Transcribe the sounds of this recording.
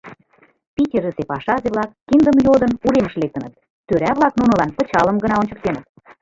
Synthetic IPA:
pʲitʲeɾəsepɑʃɑzeβlɑkːind̪əmjod̪ənuɾeməʃlek̚t̪ə̆nət̪̚ːøɾæβlɑknunɤ̆lɑnpə̆t͡ɕɑləmɡə̆nɑonʲt͡ɕə̥̆k̚t̪enə̆t̪

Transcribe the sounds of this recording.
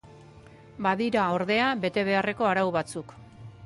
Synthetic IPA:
baðiɾaoɾðe̞abe̞t̪e̞β̞e̞are̞ko̞aɾawβat͡suk

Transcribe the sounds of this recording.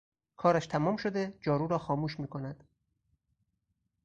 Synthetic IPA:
kʰɒːɾæʃt̪ʰæmɒːmʃod̪e̞d͡ʒɒːɾuːɾɒːxɒːmuːʃmiːkʰonæd̪̥

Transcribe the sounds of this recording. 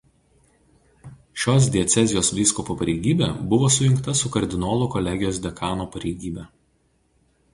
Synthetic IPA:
ʃʲoːs̬d̪ʲɛt̪sʲɛzʲɪjoːsʋʲiːskɔpupɐɾʲɛɪɡʲiːbʲeːbʊʋoːsʊjɪŋkt̪ɐsʊkɐɾʲd̪ʲɪnoːlˠʊkɔlʲɛɡʲɪjoːsd̪ʲɛkɑːnoːpɐɾʲɛɪɡʲiːbʲɛ

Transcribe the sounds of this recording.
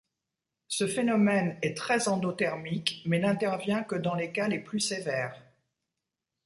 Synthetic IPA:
səfenɔmɛnɛt̪χɛzɑ̃d̪ot̪ɛʁmikmɛnɛ̃t̪ɛʁvjɛ̃kəd̪ɑ̃lekaleplysevɛːʁ

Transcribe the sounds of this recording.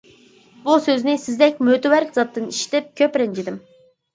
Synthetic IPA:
busøznɪsɪzd̪ɛk̚ʲmøt̪ɪwæɾkʲzɑt̪ːɨniʃi̥t̪ɪp̚kʲʰøpɾɛnd͡ʒʰid̪ɪm

